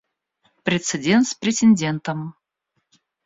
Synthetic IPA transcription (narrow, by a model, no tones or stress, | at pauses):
pɾʲɪt̪sɨdʲent̪spɾʲɪtʲɪnʲdʲent̪əm